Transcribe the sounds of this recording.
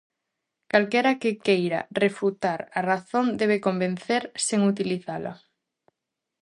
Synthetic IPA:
kalkɛɾakɪkejɾa̰refut̪aɾaraθond̪eβ̞ekombẽn̟θeɾseŋut̪iliθala̰

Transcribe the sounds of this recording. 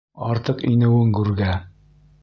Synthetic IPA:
ɒɾt̪ɤqinɘ̆wɘŋkʉɾɡæ

